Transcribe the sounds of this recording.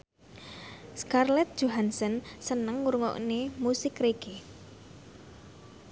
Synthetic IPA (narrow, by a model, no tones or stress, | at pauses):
skarlɛt̪̚ʒ̥oɦansɔnsənəŋːuɾŋɔ̰ʔnemusɪkreɡ̥e